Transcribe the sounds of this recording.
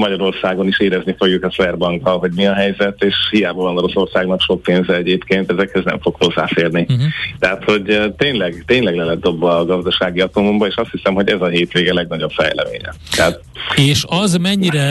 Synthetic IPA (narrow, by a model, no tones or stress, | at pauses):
mɒɟɒɾo̞rsaːɡo̞niʃeːɾɛznifo̞ɡjukɒsvɛrbɒŋkɒlɦo̞ɟmiɒɦɛjzɛt̪eːʃhijaːbɒvɒnoɾo̞so̞rsaːɡnɒkʃo̞k̚peːnzɛɛɟeːpkeːnt̪ɛzɛkhøznɛ̰ɱfo̞kho̞zːa̰ːfeːrnit̪ɛɦat̪ho̞ɟt̪eːɲlɛɡt̪eːɲlɛɡlɛlɛt̪̚d̪o̞bːɒɡɒzd̪ɒʃaːɡiɒt̪omombɒeːʃɒst̪hisɛmɦo̞ɟɛzɒɦeːt̪ʋeːɡɛlɛɡnɒɟo̞pfɛ̰jlɛ̰mḛːɲɛ̰t̪ɛɦat̪ | eːʃɒzmɛɲiɾɛ